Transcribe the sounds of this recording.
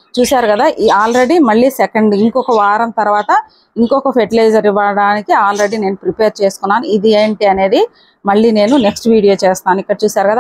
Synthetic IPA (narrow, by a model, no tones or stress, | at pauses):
t͡ʃuːsaːɾukɐd̪aːʔaːlɾe̞ɽimɐɭːiːsekɐɳɖiŋkɔkɐʋaːɾɐnt̪ɐɾuʋaːt̪ɐ | iŋkɔkɐpʰeʈilɐjd͡ʒɐɾiʋːɐɽaːnikiaːlɾe̞ɽineːnupɾipeːɾt͡ʃeːsu̥kunːaːnuid̪ieːɳʈiɐne̞ːd̪i | mɐɭːiːne̞ːnuneksʈʋiːɽijo̞ːt͡ʃeːst̪aːnuikːɐɽɐt͡ʃuːsaːɾukɐd̪aː